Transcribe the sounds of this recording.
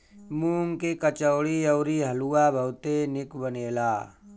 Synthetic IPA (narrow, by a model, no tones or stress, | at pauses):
muːŋkekət͡ʃəːɽiɔːɾiɦəluːabʱəʊt̪enɪkbəneːlaː